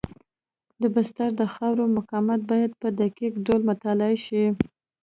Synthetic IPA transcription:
d̪əbast̪aɾd̪əxɑwɾomʊkɑmat̪̚bɑjad̪̚pəd̪akikɖolmʊt̪ɑlɑiʃi

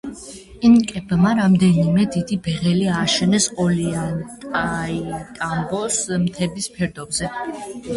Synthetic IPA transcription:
inkʼɛbmaɾamd̪ɛnimɛd̪id̪ibɛʁɛliaːʃɛnɛsɔliant̪ʼait̪ʼambɔsmt̪ʰɛbispʰɛɾd̪ɔbzɛ

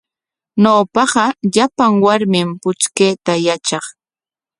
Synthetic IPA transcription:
noːpɑɢɑʎapaŋwaɾmɪmpʊt͡ʃkeːt̪ajat͡ʃɑχ

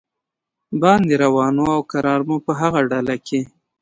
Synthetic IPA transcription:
bɑnd̪eɾawɑnoawkaɾɑɾmupəɦaɣaɖalakʰe

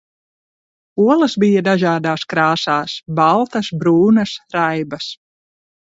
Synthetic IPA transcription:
uɔlˠɐsbijad̪aʒaːd̪aːskɾaːsaːsbalˠt̪ɐsbɾuːnɐsɾajbɐs

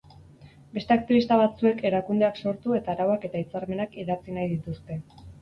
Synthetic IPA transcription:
be̞st̪e̞ak̚t̪iβist̪aβat͡sue̞ke̞ɾakund̪e̞akso̞ɾt̪ue̞t̪aːɾawake̞t̪ait͡saɾme̞nakiðat͡sinajðit̪ust̪e̞

